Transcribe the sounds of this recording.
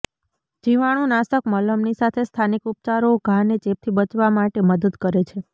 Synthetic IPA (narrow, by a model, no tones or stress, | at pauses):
d͡ʒiʋaɽ̃ũnasəkmələmnisat̪ʰest̪ʰanikup̚t͡ʃaɾoɡʱãnet͡ʃep̚t̪ʰibət͡ʃʋamaʈeməd̪əd̪kəɾet͡ʃʰe